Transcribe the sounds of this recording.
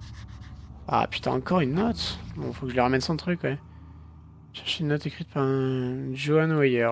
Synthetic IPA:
a̰py̥t̪a̰ɑ̰̃kɔʁynːɔt̪ɔ̰̃fokəʒəliʁamɛnsɑ̃t̪χykwɛ | ʃɛʁʃeynːɔt̪ekχit̪̚paʁɛ̃ʒoanuajœːʁ

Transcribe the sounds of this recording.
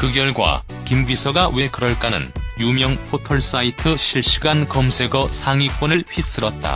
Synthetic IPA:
kɯɡjʌɭɡwa̰ | kimɡisʰʌɡawe̞kɯɾʌɭk͈anɯ̰njumjʌŋpʰotʰʌɭs͈aitʰɯɕʰiɭɕ͈i̥ɡankʌmsʰe̞ɡʌsʰaŋik͈wonɯɭɸʰis͈ɯɾʌt̚t͈a̰

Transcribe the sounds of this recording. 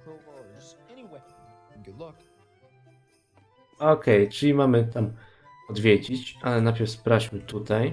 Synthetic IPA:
ɔkɛjt͡ʂɘlʲimamɘt̪am | ɔd̪vʲjed͡ʑit͡ɕʔalɛnapʲɛfspɾat͡ɕmɘt̪ut̪aj

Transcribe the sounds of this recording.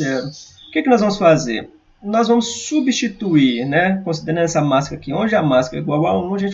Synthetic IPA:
ɛɾʊkekɪnɔzvɐ̃mʊsfazḛɾ | nɔzvɐ̃mʊsːubiʃt͡ʃit̪uiɾnɛkõsid̪eɾ̃ɐ̃nɛsɐmaskɐkɪõd͡ʒɪamaskɐiɡwawawnɐ̃w̃ɐʒẽt͡ʃ

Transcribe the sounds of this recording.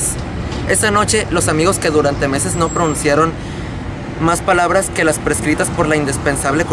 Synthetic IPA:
s | e̞sano̞t͡ʃe̞lo̞samiɣo̞ske̞ðuɾant̪e̞me̞se̞zno̞pɾonũnsjaɾo̞n | maspalaβ̞ɾaske̞laspɾe̞skɾit̪aspo̞ɾlaind̪ispe̞nsaβle̞k

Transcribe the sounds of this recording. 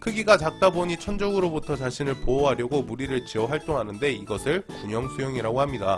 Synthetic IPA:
kʰɯɡiɡat͡ɕak̚t͈aboɲit͡ɕʰʌnd͡ʑʌɡɯɾobutʰʌt͡ɕaɕʰinɯɭpoʌɦaɾjʌɡomuɾiɾɯɭt͡ɕiʌɸaɭt͈oŋɦanɯnde̞iɡʌsʰɯɭkuɲʌŋsʰujoŋiɾaɡohamɲida

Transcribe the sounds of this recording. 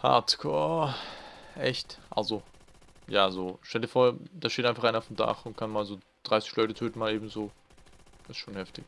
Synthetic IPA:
ha̰tkʰɔɐ | ʔɛçtʔa̰lzo | jaːzoːʃtɛldiːɐfoːɐd̥aːʃteːtnaɪnfaχaɪnaʊfm̩da̰χʊntkʰanmaːlzoː | d̥ʁaɪsɪ̥çlɔʏtətʰøːtn̩maːleːbm̩zo̥ː | ɪstʃoːnhɛftɪç

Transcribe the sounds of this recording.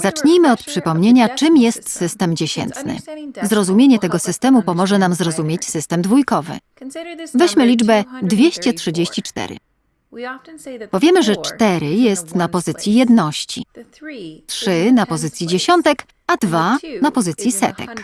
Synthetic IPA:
zat͡ʂɲijmɘɔt̪̚pʂɘpɔmɲeɲat͡ʂɘmjɛst̪sɘst̪ɛmd͡ʑeɕɛ̰nt̪nɘ̰zɾɔzumʲjeɲɛt̪ɛɡɔsɘst̪ɛmupɔmɔʐɛnamzɾɔzumʲjet͡ɕsɘst̪ɛmd̪vujkɔvɘ̰ | vɛɕmɘlʲid͡ʐbɛd̪vʲjeɕt͡ɕɛtʂɘd͡ʑeɕt͡ɕit͡ʂt̪ɛ̰ɾɘ̰ | pɔvʲjɛmɘʐɛt͡ʂt̪ɛɾɘjɛst̪napɔzɘt̪sʲjijɛd̪nɔɕt͡ɕḭ | tʂɘnapɔzɘt̪sʲjid͡ʑeɕɔnt̪ɛk | ad̪vanapɔzɘt̪sʲjisɛ̰t̪ɛ̰k

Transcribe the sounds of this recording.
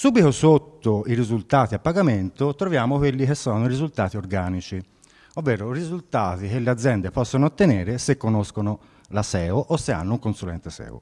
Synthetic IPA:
suːbiθosot̪ːoiɾizult̪aːt̪iapːaɡament̪ot̪ɾovjaːmokwelːikesːɔːnʊiɾizult̪aːt̪iorɡaːnit͡ʃi | ovːɛːɾorizult̪aːt̪ik̟elːead̪zːjɛnd̪epɔsːonoːt̪ːeneːɾesekːonoskono | lasɛːoʔosːea̰nːʊuŋkonsulɛ̰nt̪esɛ̰ːṵ

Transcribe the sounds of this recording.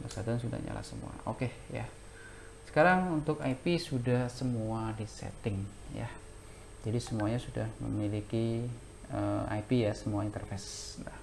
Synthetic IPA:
basadansuda̰hɲa̰la̰səmṵa̰ʔoke | ja̰ | sə̥kaɾaŋunt̪ʊkaipisudahsəmuadisɛ̰t̪ɪŋ | ja̰ | d͡ʒadisəmuaɲasudahmə̰miliki | əa̰ipijasəmuaint̪ərfɛsnda

